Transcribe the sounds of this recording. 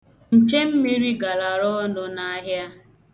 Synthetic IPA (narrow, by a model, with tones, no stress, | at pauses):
n̩˨t͡ʃe˦m̩˦mi˦ɾi˦ɡa˨la˨ɾɔ˦nʊ˦na˦ɦja˦